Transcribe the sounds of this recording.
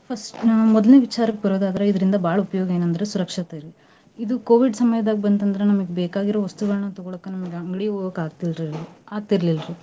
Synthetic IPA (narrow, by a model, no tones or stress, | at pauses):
pʰɐsʈmɔd̪ɐlneːʋit͡ʃaːɾɐkːbɐɾoːd̪aːd̪ɐɾeid̪ɐɾind̪ɐbʱaːɭɐupɐjoːɡɐeːnɐnd̪ɐɾesuɾɐkʂɐt̪ɐiɾi | id̪ukoːʋiɖsɐmɐjɐd̪aːɡibɐnt̪ɐnd̪ɐɾenɐmɐɡebɛːkaːɡiɾo̞ːʋɐst̪uɡɐɭɐnɐt̪ɔɡɔɭokːenɐmɐɡeɐŋɡɐɭioɡɐkaːt̪ilɾiaːɡ̚t̪iɾlilɐɾi